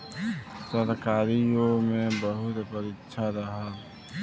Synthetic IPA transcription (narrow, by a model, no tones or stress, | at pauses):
səɾkaːɾiomẽbəɦʊt̪pəɾɪtːʃʰaɾɐɦa